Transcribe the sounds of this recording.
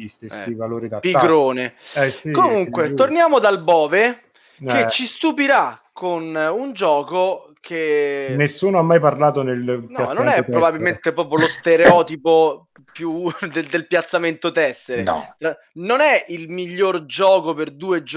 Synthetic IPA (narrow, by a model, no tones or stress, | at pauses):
ist̪eɛːivaloːɾid̪apikɾoːneɛkomuŋkwet̪ornjaːmod̪albɔːve | ket͡ʃːist̪upiɾakːonund͡ʒɔːko | kʰenesːuːnoamːajparlaːt̪onelnɔanonɛppɾobabːilment̪epɾɔːpɾjolost̪eɾeɔːt̪ipo | pjud̪ed̪elpjat̪sːament̪ot̪ɛsːeɾḛt̪ɾa | nonɛilmiʎːord͡ʒɔːkoperd̪uːed͡ʒ